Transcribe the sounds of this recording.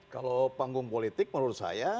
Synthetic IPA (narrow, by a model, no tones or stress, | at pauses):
ka̰lopaŋɡʊŋpolit̪ɪk̚məɾuɾʊt̪̚sa̰ja